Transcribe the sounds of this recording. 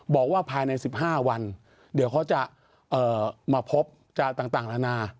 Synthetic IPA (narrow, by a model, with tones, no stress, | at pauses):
bɔː˨˩k̚waː˥˩pʰaː˧jna˧jsi˨˩p̚ɦaː˥˩wa˧n | di˨˩˦wkʰa˦˥wt͡ɕa˨˩ʔ | ʔɤː˨˩maː˧pʰo˦˥p̚ | t͡ɕaː˨˩t̪aː˨˩ŋt̪aː˨˩ŋla˦˥naː˧